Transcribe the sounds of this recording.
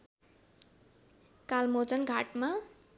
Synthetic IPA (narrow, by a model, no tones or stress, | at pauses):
kalmod͡zʌnɡʱaʈma